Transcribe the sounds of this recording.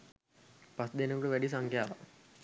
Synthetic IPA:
pasd̪enəkoʈəʋæɖis̬aŋkjaːʋa̰

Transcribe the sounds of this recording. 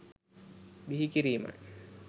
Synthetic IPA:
biɦikiɾiːma̰

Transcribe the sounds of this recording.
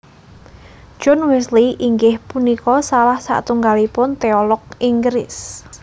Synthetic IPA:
d͡ʒ̥ɔnwɛsliʔiŋɡɪhpunikɔsalahsa̰ʔt̪uŋɡalipʊnt̪eɔlɔkiŋɡɾɪs

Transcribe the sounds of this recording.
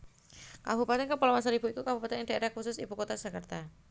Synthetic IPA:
ka̰bupat̪ɪnkəpɔlamasaɾibuik̪ukabupat̪ɪnɪdaeɾakusʊsibukot̪ad͡ʒ̥akərt̪a

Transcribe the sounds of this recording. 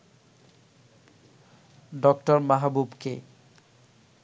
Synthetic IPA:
ɖɔkʈɔɾmaɦabubkḛ

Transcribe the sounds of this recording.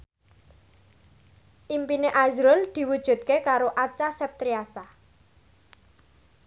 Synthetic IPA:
ʔimpineʔazɾʊld̪̥i̤wud̥ʒ̥ṳt̪̚kekaɾoʔat͡ʃasɛp̚t̪ɾiasa

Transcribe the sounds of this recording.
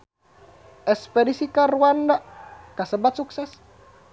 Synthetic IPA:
ʔɛspedisikaɾuandakasəbat̪̚suksɛs

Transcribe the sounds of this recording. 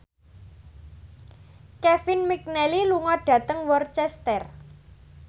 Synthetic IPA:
kɛfinmik̚nɛliluŋɔɖ̥ä̤t̪əŋwɔrt͡ʃɛst̪ɛr

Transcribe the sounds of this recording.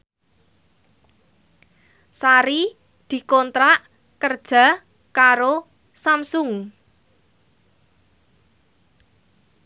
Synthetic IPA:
saɾi | d̪̥i̤kɔnt̪ɾaʔ | kərd̥ʒ̥ä̤ | kaɾo | samsʊŋ

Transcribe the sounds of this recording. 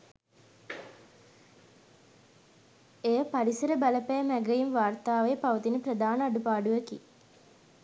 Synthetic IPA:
ejəpaɾisəɾəbaləpæjəmæɡəjinʋaːrt̪aːʋepaʋət̪inəprəd̪aːnəaɖupaːɖuʋəkḭ

